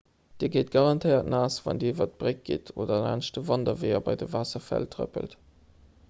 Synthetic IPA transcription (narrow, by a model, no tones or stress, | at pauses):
d̥iːɐɡeːt̚ɡ̥ɑʁɑntʰəɪɐtnaːsvɑ̰ndiivɐt̚b̥ʁek̚ɡ̥ḭtʰoːdɐna̰ːnʃtəvɑndɐveːɐbɑɪdəvaːsɐfæ̰ltʁə̰pə̰lt